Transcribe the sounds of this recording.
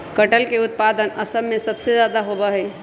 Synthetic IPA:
kəʈəlkeʊt̪̚paːd̪ənəsəmːẽsəbsezjaːd̪aɦobəɦɛː

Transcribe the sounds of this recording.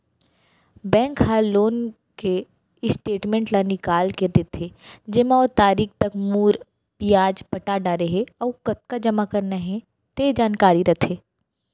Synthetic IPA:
bɛ̃ːŋkɦaloːn | ke | ɪsʈeːʈmẽːɳʈlanɪkaːlked̪et̪ʰːeːd͡ʒemaɔːt̪aːɾiːkt̪ɐkmuːɾ | pijaːd͡ʒpɐʈaɖaɾeɦeɔːkɐt̪̚kad͡ʒɐmakɐɾnaɦɛ̃ | t̪ed͡ʒaːnkaːɾiɾɐt̪ʰeː

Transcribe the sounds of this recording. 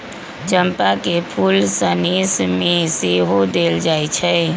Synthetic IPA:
t͡ʃəmpakepʰulsənismeseɦod̪eld͡ʒajt͡ʃʰɛ

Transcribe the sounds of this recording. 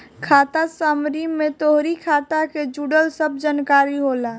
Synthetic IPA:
kʰaːt̪asaːmɾimːẽt̪oɦɾikʰaːt̪aked͡ʒuːɽəlsəb̚ʱd͡ʒankaːɾiɦoːla

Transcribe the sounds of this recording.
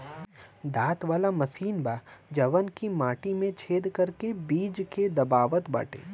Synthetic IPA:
d̪aːt̪ʋaːlamɐsiːnbaːd͡ʒɐʋənkimaːʈimẽt͡ʃʰeːd̪kɐɾkebiːd͡ʒked̪ɐbaːʋət̪ba̰ːʈḛː

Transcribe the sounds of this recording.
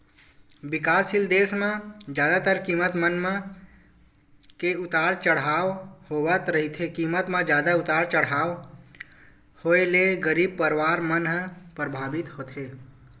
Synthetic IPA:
bɪkaːsɪld̪eːsmãd͡ʒjaːd̪at̪əɾkiːmət̪mənm̃ | keʊt̪aːɾt͡ʃəɽ̤aːʋhoːʋət̪ɾəɦit̪ʰekiːmət̪mãd͡ʒjaːd̪aʊt̪aːɾt͡ʃəɽ̤aːʋ | hoːeleɡəɾiːb̚pəɾʋaːɾmənɦpɾəbʱaːbɪt̪hoːt̪ʰeː

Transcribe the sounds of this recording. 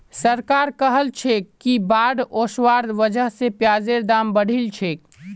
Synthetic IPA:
səɾkaːɾkəɦəlt͡ʃʰekːibaːɖoːswaːɾd̪ʋəd͡ʒəɦsepjaːzeɾd̪aːmbəɽ̤ʱilt͡ʃʰeːk

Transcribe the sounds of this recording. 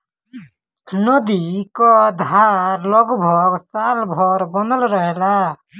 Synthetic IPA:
nɔd̪ikɔd̪ʱaɾlɔɡbʱɔɡsalbʱɔɾbɔnd̪əlɾɔɦɛla

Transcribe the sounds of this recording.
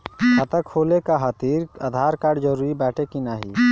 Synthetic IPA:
hət̪əkʰːoːlekaɦat̪iɾad̪ʱaɾkaɖd͡ʒəɾuɾibɛːʈʰekinaɦi

